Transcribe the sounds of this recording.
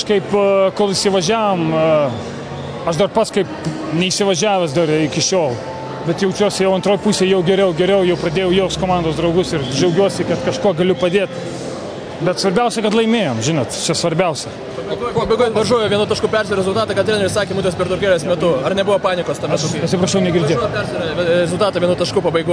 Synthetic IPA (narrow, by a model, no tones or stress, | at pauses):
kɐʃkɐɪpkoːlˠɪʃʲsʲɪʋɐʒʲæːʋom | ɐʃd̪ɐrpɐskɐɪp | nʲɛiʃsʲɪʋɐʒʲæːʋʲɛsd̪ɐrɪkʲɪʃʲoːlˠ | bʲɛt̪jɛʊt͡ʃʲuːsʲɪjɛʊɐnt̪ɾoːjpuːsʲeːjɛʊɡʲɛɾʲɛʊɡʲɛɾʲɛʊjɛʊpɾɐd̪ʲeːjɛʊjɛʊst̪koːmɑnd̪oːsd̪ɾɐʊɡʊsɪrd͡ʒɛʊɡʲuɔsʲɪkɐt̪kɐʃkoɔɡɐlʲʊpɐd̪ʲeːt̪ | bʲɛt̪sʋɐɾʲbʲɛʊsʲɛkɐt̪lˠɐɪmʲeːjoːmʒʲɪnoːt̪t͡ʃʲɛsʋɐɾʲbʲɛʊsʲɛ | ɐɐuɔjpbɐɪɡoɔt̪ʋɐʒuɔjoːʋʲiɛnʊt̪ɐʃkʊpʲɛɾʒʲɛɾɛzʊlˠt̪ɑːt̪ɐkɐt̪ʲɾeːnʲɛɾʲɪsɑːkʲemʊt̪ʲospʲɛɾt̪ʊkʲeːlʲɛsmʲɛt̪ʊɐrnʲɛbʊʋopɑːnʲɪkoːst̪ɐɛsɐt̪sʲɪpɾɐʃʲɛʊnʲɛɡʲɪrddʲeːjpʲɛrʲʒʲɛɾʲɐɛɾʲɛzʊlˠt̪ɑːt̪ɐʋʲɛnut̪ɐʃkʊpɐbɐɪɡu